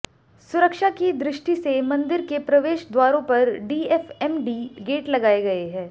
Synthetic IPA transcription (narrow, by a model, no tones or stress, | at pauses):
sʊɾəkʃakid̪ɾɪʃʈisemɐ̃nd̪ɪɾkepɾɐʋeːʃd̪waːɾõpɐɾɖiːɛfɛmɖiːɡeːʈlɐɡaːeɡɐeɦɛ̃ː